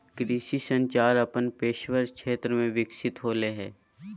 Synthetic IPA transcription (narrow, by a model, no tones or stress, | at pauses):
kɾiːsisə̃ɲt͡ʃaːɾəpənpeːʃʋəɾkʃʰeːt̪ɾəmẽʋɪkʃɪt̪ɦoːleɦɛ̃ː